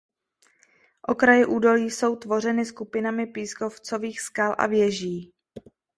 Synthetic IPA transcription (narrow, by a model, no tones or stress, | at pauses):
ʔo̞kɾajɛʔuːdo̞liːso̞wt̪vo̞r̝ɛnɪskupɪnamɪpiːsko̞ft͡so̞viːxskalʔa̰vjɛʒiː